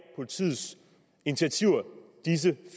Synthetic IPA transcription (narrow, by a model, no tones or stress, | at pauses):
pʰo̝lit͡sʰḭð̩ˠs | init͡sʰiæt͡sʰiʊ̰ɐd̥is̬əf